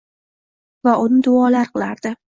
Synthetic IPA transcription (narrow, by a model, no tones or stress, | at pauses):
vaʔʊnɪd̪ʊɒlaɾqʰɨlˠaɾd̪̥ɪ